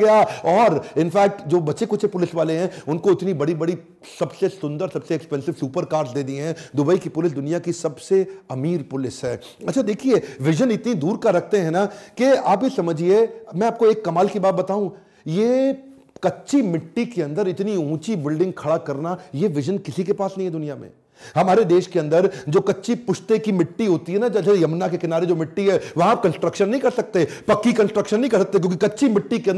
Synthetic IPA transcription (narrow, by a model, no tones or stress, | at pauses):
ɡɐjaɔːɾɪnfɛːk̚ʈd͡ʒoːbɐtːʃekʊt͡ʃʰepʊlɪsʋaːleɦɛ̃ʊnkoɪt̪nibɐɽibɐɽi | sɐbsesʊ̃nd̪əɾsɐbseːkspɛ̃nsɪʋsuːpəɾkaːɾzd̪eːd̪iɦɛ̃d̪ʊbəikipʊlɪs̬d̪ʊnijakisɐbseɐmiːɾpʊlɪsɦɛː | ɐtːt͡ʃʰad̪eːkʰieʋɪʒənɪt̪nid̪uːɾkaɾɐkʰt̪eɦɛ̃nakeaːpjesɐməd͡ʒʱiemɛ̃aːp̚koeːkːɐmaːlkibaːt̪̚bɐt̪aːũ | jeː | kɐtːʃimɪʈːikeɐ̃nd̪əɾɪt̪niũːt͡ʃibɪlɖɪ̃ŋɡ̚kʰɐɽakɐɾnajeʋɪʒənkɪsikepaːsnɐɦĩɦɛd̪ʊnijamḛ̃ː | hɐmaːɾed̪eːʃkeɐ̃nd̪əɾd͡ʒoːkɐtːʃipʊʃt̪ekimɪʈːiɦoːt̪iɦɛnad͡ʒɐsejɐmnakekɪnaːɾed͡ʒoːmɪʈːiɦɛʋɐɦãkɐ̃nsʈɾəkʃənːɐɦĩkɐɾsɐk̚t̪eɛpɐkːikɐ̃nsʈɾəkʃənːɐɦĩkɐɾsɐkt̪eɛkjõkikɐtːʃimɪʈːikeɐ̃n